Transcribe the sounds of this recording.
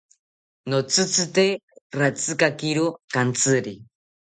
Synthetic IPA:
not͡sʰɨt͡sʰɨt̪eɾat͡sɨkakiɾokant͡sɨɾi

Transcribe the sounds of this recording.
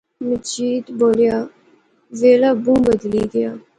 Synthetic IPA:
mɪt͡ʃiːt̪boːlijaː | zeːlaːbũːbəd̪liːɡəjaː

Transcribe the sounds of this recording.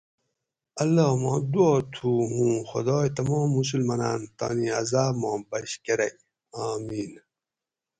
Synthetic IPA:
ɐlːoːmɑ̰̃ːd̪uoːt̪ʰuːɦũːxɐd̪ɑːjt̪ɐmɔːmːus̬ulmɐnant̪a̰ːniɐ̰zaːmɑ̃ːbɐɕkeɾɐj | aːmiːn

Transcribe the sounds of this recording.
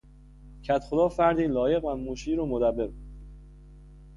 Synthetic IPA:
cʰæt̪xod̪ɒːfæɾd̪iːlɒːje̞ɣvæmmːuːʃiːɾomod̪æbːe̞ɾ

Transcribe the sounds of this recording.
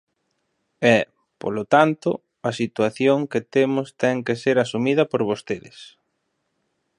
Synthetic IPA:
ɛ | po̰lot̪ant̪ʊ̰ | ɐsit̪waθjoŋket̪emʊst̪ɛŋkeseɾasumiðɐpoɾβost̪eðɪs

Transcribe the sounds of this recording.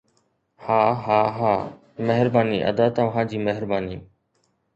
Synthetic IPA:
haːɦaːɦaː | meɦɾbaːniːʔə̰d̪aːt̪əʋɦãːd͡ʑiːmeɦɾbaːniː

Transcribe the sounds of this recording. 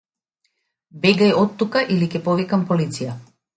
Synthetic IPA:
bɛɡajɔt̪ːukaʔilikɛpɔvikampolit̪sija

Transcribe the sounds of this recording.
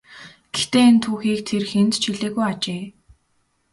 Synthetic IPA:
ɡ̥ext̪eːent̪ʰuːxiːk̚t̪ʰerxent̪t͡ɕʰiɮeːɣujat͡ɕeː

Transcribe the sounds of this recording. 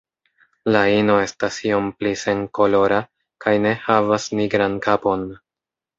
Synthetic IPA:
laino̞e̞stasio̞mplise̞ŋko̞lo̞ɾa | kajne̞havasniɡɾankapo̞n

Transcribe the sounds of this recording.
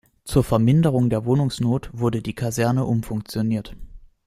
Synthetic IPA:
t͡suːɐfɛɐmɪndəʁ̞ʊŋdeːɐvoːnʊŋsnoːtv̥ʊɐdədiːkʰazɛɐnəʔʊmfʊŋk̚t͡sjoniːɐt

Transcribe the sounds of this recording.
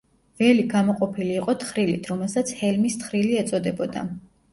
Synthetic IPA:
vɛliɡamɔqʼɔpʰiliːqʼɔt̪ʰχɾilit̪ʰɾɔmɛlˠsat̪sʰhɛlmist̪χɾiliɛt̪sʼɔd̪ɛbɔd̪a̰

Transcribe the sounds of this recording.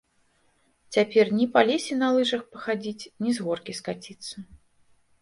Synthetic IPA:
t͡sʲapʲɛrnʲipalʲesʲinɐlˠɨʐɐxpɐxad͡zʲit͡sʲnʲizɣɔrkʲiskat͡sʲit̪sːɐ

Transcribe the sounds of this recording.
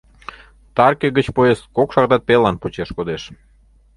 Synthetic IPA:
t̪ɑrkeɡət͡ɕpoeskokʃɑɣd̪ɑt̪̚pelɑnpot͡ɕeʃkod̪eʃ

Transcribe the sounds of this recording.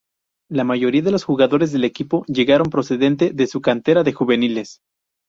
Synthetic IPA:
lamaʝo̞ɾiaðe̞lo̞sxuɣaðo̞ɾezðele̞kipo̞ʝe̞ɣaɾo̞mpɾo̞se̞ðe̞nt̪e̞ðe̞sukant̪e̞ɾaðe̞xuβe̞niles

